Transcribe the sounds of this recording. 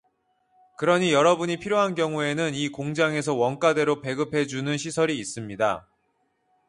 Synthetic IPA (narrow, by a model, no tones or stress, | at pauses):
kɯɾʌɲijʌɾʌbuɲipʰiɾjoɦankjʌŋue̞nɯnikoŋd͡ʑaŋe̞s̬ʰʌwʌnk͈ade̞ɾope̞ɡɯpʰe̞d͡ʑunɯnɕʰisʰʌɾiːs͈ɯmɲida